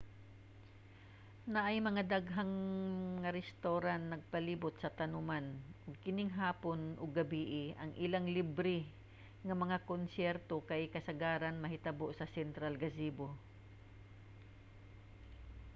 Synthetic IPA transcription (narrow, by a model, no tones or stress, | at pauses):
naʔɐjmɐŋad̪aɡɦaŋŋɐɾɛst̪oɾanːɐɡ̚pɐliːbʊt̪̚sɐt̪ɐnʊmanʔʊɡ̚kɪnɪŋɦaːponʔʊɡːɐbiːʔɪʔɐŋʔɪlaŋlibɾɪ | ŋɐmɐŋakonsjɛɾt̪okajkɐsɐɡaːɾanmɐɦɪt̪ɐboʔsɐsɛnt̪ɾalɡɐsiːbo